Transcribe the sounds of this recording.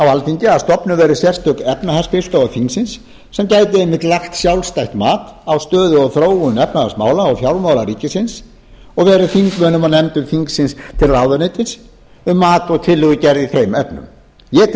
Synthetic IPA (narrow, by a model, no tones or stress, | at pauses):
awalfiɲcɪast̪ɔpnʏvɛɾɪsjɛr̥st̪ʰœkɛpnahɛrspɪst̪oːwafiŋksɪnsː | ɛmcaːjt̪̬ɪemɪt̪laxt̪sjawlst̪ajht̪maːt̪awst̪œːðʏɔɣθɾoːwʏnɛpnaðasmaːwlaːwfjawɾlmaːwlaɾiːcɪsɪns | ɔɣvɛːɾɪθiŋkmœːnʏmaðnɛmt̪ʏmfiŋksɪnst̪ʰɪlrawðanɪt̪ɪns | ʏmːaːt̪ɔɣt̪ʰɪlːʏɣʏcɛɾðiθejmɛpnʏ̰m | jɛt̪